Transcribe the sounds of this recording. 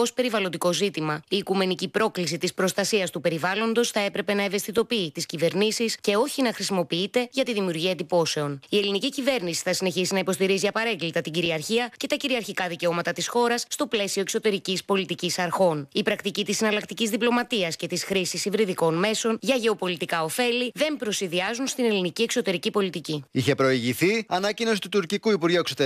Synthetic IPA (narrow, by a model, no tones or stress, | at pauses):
o̞spe̞ɾivɐlo̞nd̪iko̞zit̪imɐiːkume̞nicipɾo̞klis̬it̪ispɾo̞st̪ɐsiɐst̪upe̞ɾivɐlo̞nd̪o̞sθɐe̞pɾe̞pe̞nɐe̞ve̞st̪it̪o̞piit̪iscive̞ɾnisisce̞o̞çinɐxɾisimo̞piit̪e̞ʝɐt̪iðimiuɾʝiɐed̪ipo̞se̞o̞nie̞linicicive̞ɾnisi̥θɐsine̞çisinɐipo̞st̪iɾiziɐpɐɾe̞ŋɡlit̪ɐt̪iɟiɾiɐɾçiɐce̞t̪ɐciɾiɐɾçikɐðice̞o̞mɐt̪ɐt̪isxo̞ɾɐsːt̪o̞ple̞sio̞e̞kso̞t̪e̞ɾicispo̞lit̪icisɐɾxo̞nipɾɐkt̪icit̪isɐnɐlɐkt̪icizðiplo̞mɐt̪iɐsce̞t̪isxɾisisivɾiðiko̞nme̞so̞nʝɐʝe̞o̞po̞lit̪ikɐo̞fe̞liðe̞mpɾo̞siðiɐzunst̪inelinicie̞kso̞t̪e̞ɾicipo̞lit̪iciiçe̞pɾo̞iʝiθiɐnɐcino̞si̥t̪ut̪uɾcikuipuɾʝueksot̪e